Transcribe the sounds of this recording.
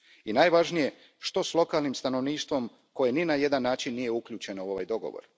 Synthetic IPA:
inajʋaʒnije̞ | ʃt̪o̞slˠo̞kaːlnimst̪ano̞ʋniːʃt̪ʋo̞m | ko̞je̞ninaje̞d̪anːaːt͡ʃinːije̞ukʎʲuːt͡ʃe̞nouo̞ʋa̰jd̪o̞ɡo̞̰ʋo̰ɾ

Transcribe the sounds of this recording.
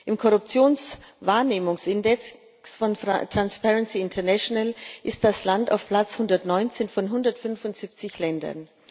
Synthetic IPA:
ʔɪmkʰɔʁʊpt͡sjoːnsvaːɐneːmʊŋsʔɪndɛk | sfɔntʁ̥anspɛʁɛnsiɪntʰɐnɛʃonalʔɪstd̥aslanta̰ʊfpʰl̥at͡shʊndɐtnɔʏnt͡seːnfɔnɦʊndɐtfʏnfʊntz̥ip̚t͡sɪçlɛndɐ̰n

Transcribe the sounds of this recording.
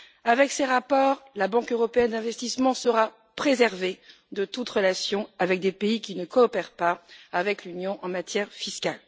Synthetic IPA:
avɛkseʁapɔːʁlabɑ̃køʁɔpeɛnd̪ɛ̃vɛst̪ismɑ̃səʁa | pχezɛʁve | d̪ət̪ut̪ʁəlasjɔ̃avɛk̚d̪epeikʲinəkɔːpɛʁpaːvɛklynjɔ̃ʔɑ̃mat̪jɛʁfiskal

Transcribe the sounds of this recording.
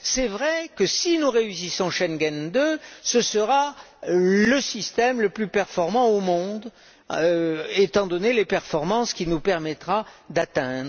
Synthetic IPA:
sɛvʁɛkəsinuʁeysisɔ̃ʃɛnɡɛnd̪øsəsəʁa | ləsist̪ɛmləplypɛʁfɔʁmɑ̃omɔ̃d̪ | øet̪ɑ̃d̪ɔnelepɛʁfɔʁmɑ̃skʲinupɛʁmɛt̪χad̪at̪ɛ̃d̪ʁə

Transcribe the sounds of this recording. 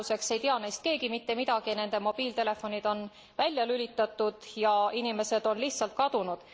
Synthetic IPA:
use̞kse̞jt̪iɑnejst̪̚ke̞ːɡimit̪ːe̞mid̪ɑɡ̥ine̞nd̪̥e̞mo̞b̥iːlt̪e̞le̞fːo̞nʲid̪̥o̞n | vælʲjɑlylʲit̪ːˑɑt̪ːˑud̪̥jɑinime̞sed̪̥o̞nlihtsɑlt̪̚kɑd̪̥unud̪̥

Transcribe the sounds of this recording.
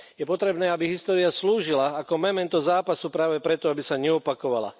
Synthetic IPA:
jɛpɔt̪ɾɛbnɛːabiɦist̪ɔːɾiasluːʒilaːkɔmɛmɛnt̪ɔzaːpasupɾaːʋɛpɾɛt̪ɔabisaɲɛɔpakɔʋa̰la̰

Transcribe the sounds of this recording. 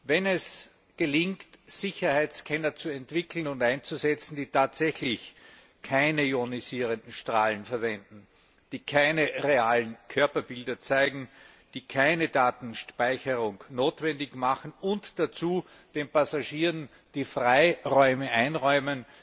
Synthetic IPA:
vɛnɛs | ɡ̥əlɪŋktz̥ɪçɐhæɪt͡skʰɛnɐt͡suɛntv̥ɪkl̩n̩ʊntæ̃ɪnt͡suzɛt͡sn̩d̥iːtʰaːtz̥ɛçlɪç | kʰaɪnəjoniziːʁəndn̩ʃtʁaːlən̩fɛɐvɛndn̩ | d̥iːkʰaɪnəʁeaːlən̩kʰœɐpɐbɪldɐt͡saɪɡŋ̩ | d̥iːkʰaɪnədaːtn̩ʃpaɪçəʁʊŋnoːtv̥ɛndɪçmaχn̩ʊntd̥at͡suː | d̥eːnpasaʃiːʁən | d̥iːfʁaɪʁɔʏməʔaɪnʁɔʏmən

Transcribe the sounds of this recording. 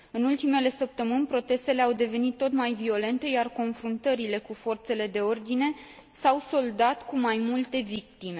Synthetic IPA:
ɨnult̪ime̞le̞səp̚t̪əmɨnʲpɾo̞t̪e̞st̪e̞le̞awd̪e̞ve̞nit̪ːo̞t̪majvio̞le̞nt̪e̞jarko̞nfɾunt̪əɾile̞kufo̞rt̪se̞le̞d̪e̞o̞rd̪ine̞ | sawso̞ld̪at̪kumajmult̪e̞vik̚t̪ime̞

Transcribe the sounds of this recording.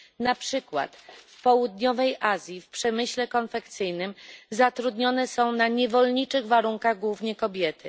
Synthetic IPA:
napʂɘkwa̰t̪fpɔwud̪ɲɔvɛjʔazʲjifpʂɛmɘɕlɛkɔnfɛkt̪sɘjnɘmzat̪ɾud̪ɲɔnɛsɔ̃w̃naɲɛvɔlɲit͡ʂɘɣvaɾuŋkaɣɡwuvɲɛkɔbʲjɛt̪ɘ

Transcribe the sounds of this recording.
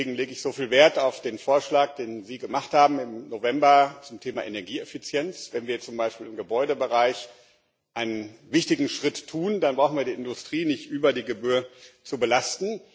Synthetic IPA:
eːɡŋ̩leːɡəɪçz̥ofiːlveːɐtaʊfd̥eːnfoːɐʃlaːk̚d̥eːnziːɡəmaχthaːbm̩ɪmnovɛmbɐt͡sʊmtʰeːma̰ʔenɛɐɡiːɛfit͡sjɛnt͡svɛnviːɐt͡sʊmbaɪʃpiːlɪmɡəbɔʏdəbəʁaɪç | ʔaɪnənvɪçtɪɡŋ̩ʃʁ̥ɪtːʰuːndanbʁaʊxn̩viːɐdiːʔɪndʊstʁ̥iːnɪçtʔyːbɐdiːɡəbyːɐt͡subəlastn̩

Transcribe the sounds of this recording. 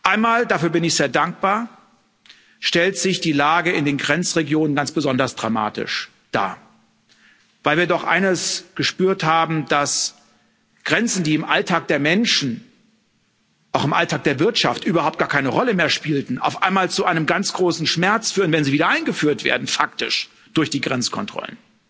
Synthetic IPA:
ʔaɪnmaːldafyːɐbɪnɪçz̥eːɐdaŋk̚b̥aːɐ | ʃtɛltz̥ɪçd̥iːlaːɡəɪndeːnɡʁɛnt͡sʁeɡjoːnənɡant͡sb̥əzɔndɐsd̥ʁa̰ma̰ːtɪ̰ʃ | d̥a̰ː | vaɪlviːɐdɔχʔa̰ɪnəsɡ̥əʃpyːɐthaːbm̩d̥as | ɡ̥ʁɛnt͡sn̩diːɪmʔaltʰaːk̚d̥eːɐmɛnʃn̩ | ʔaʊxɪmʔaltʰaːk̚d̥eːɐvɪɐtʃaftʔyːbɐhaʊpt̚ɡ̥aːɐkʰaɪnəʁɔləmeːɐʃpiːltn̩ʔa̰ʊfʔaɪnmaːlt͡suʔaɪnəmɡant͡sɡ̥ʁoːsn̩ʃmɛɐt͡sfyːʁənvɛnziːviːdɐʔaɪnɡəfyːɐtv̥ḛːɐdn̩fak̚tɪ̰ʃ | d̥ʊɐçd̥iːɡʁɛnt͡skʰɔ̰ntʁ̥ɔ̰lə̰n

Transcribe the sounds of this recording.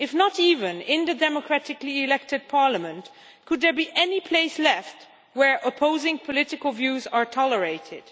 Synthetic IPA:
ɨfnəɾiːvɨ̃nɪ̃nðɨdɛmɔkʰɹ̥ætɨkliɪlɛk̚tɨd̚pʰɑɹləmə̃nt | kʰʊd̪̚ðə˞biʔɛnipʰl̥eɪslɛft̚ | wə˞ʔəpʰoʊzɪ̃ŋpʰɔlɪɾɨkəlˠvjʉzə˞tʰɑlˠəɹeɪtɪd̥

